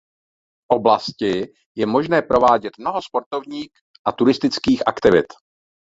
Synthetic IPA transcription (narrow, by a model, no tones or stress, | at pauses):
ʔoblascɪ | jɛmo̞ʒnɛːpɾo̞vaːɟɛt̪mno̞ɦo̞spo̞ɾt̪ovɲiːx | ʔat̪uɾɪst̪ɪt͡skiːxʔakt̪ɪvɪ̰t̪